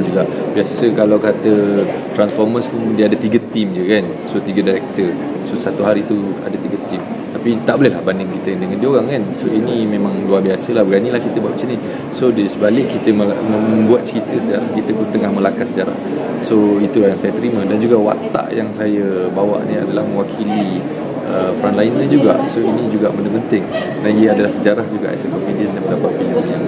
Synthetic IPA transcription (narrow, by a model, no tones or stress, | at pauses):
d͡ʒuɡab̥iasəkalawkat̪ət̪ɾansfɔrməskuŋdiadət̪iɡət̪imd͡ʒəkan | sot̪iɡədaɾɛk̚t̪ər | sosat̪uɦaɾit̪ua̰dət̪iɡət̪imt̪apit̪aʔbolɛɦlahbandɪŋkit̪əkandəŋandiəoɣaŋkansoinimẽmãŋluarbiasəlahbəɡanilahkit̪əbawaʔt͡ʃini | sodisəbalɪʔkːit̪əməmə̃əbuat̪̚t͡ʃəɾit̪əsəd͡ʒaɾahkit̪əbət̪əŋahmə̃lakasəd͡ʒaɾa̰h | soit̪ulajaŋsajət̪əɾimə̃dand͡ʒuɡawa̰t̪a̰ʔjaŋsajəbawa̰ʔnia̰dalahmə̃wakʰili | əfɾanlainnad͡ʒuɡa̰soinid͡ʒuɡaʔməndəpənt̪ɪŋ | naiəadalahsəd͡ʒaɾahd͡ʒuɡa̰ʔa̰sakɔmpidiəsjamədapaʔ̪̚filəmjaŋ